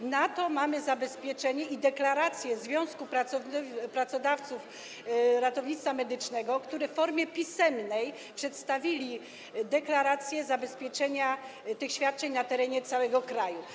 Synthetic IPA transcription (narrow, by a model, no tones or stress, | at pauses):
nat̪ɔmamɘzabɛspʲjɛt͡ʂɛɲɛʔid̪ɛklaɾat̪sʲjɛzvʲjɔ̃w̃skupɾaɔpɾat̪sɔd̪aft̪suf | ɾat̪ɔvɲit̪st̪famɛd̪ɘt͡ʂnɛɡɔkt̪uɾɛffɔɾmʲjɛpʲisɛmnɛj | pʂɛt̪st̪avʲilʲi | d̪ɛklaɾat̪sʲjɛzabɛspʲjɛt͡ʂɛɲa | t̪ɘxɕfʲjat̪̚t͡ʂɛɲnat̪ɛɾɛɲɛt̪sawɛɡɔkɾaju